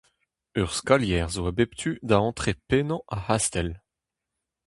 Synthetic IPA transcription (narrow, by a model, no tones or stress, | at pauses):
œʁskaljɛːʁzoabept̪ʰyd̪aɑ̃t̪χepenɑ̃ʔahast̪ɛl